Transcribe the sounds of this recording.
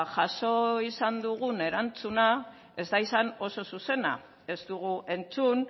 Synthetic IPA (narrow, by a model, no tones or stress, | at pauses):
ʝaʃo̞isand̪uɣune̞ɾant͡suna | e̞zd̪aisano̞so̞suse̞na̰ | e̞zt̪uɣ̞uʔe̞nt͡sun